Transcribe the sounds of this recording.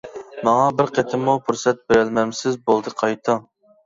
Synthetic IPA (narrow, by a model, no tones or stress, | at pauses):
mɑŋɑbɪɾqʰet̪ʰɪmupʰuɾsɛt̪̚beɾɪlmɛmsɪzbolˠd̪ɨqʰɑjt̪ʰɑ